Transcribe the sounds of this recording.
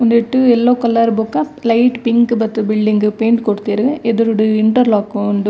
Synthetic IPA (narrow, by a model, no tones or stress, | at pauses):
ɔnd̪ɪʈːɯɛlːoːkɐlːɐɾbʊkːãlɐɪʈpɪŋkɯbɐt̪ːɯbɪlɖɪŋɡɯpeːɳɖkɔɽɯt̪ːɯɾɯɡɐʔɛðɯɾɯɽɯɪɳʈɐɾlaːkɯnd̪ɯ